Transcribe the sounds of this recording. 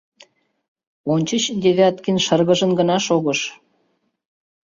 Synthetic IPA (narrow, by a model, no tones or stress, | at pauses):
onʲt͡ɕət͡ɕd̪ʲeβʲɑt̪kinʃɤrɣə̆ʒə̆nɡə̆nɑʃoɣɤʃ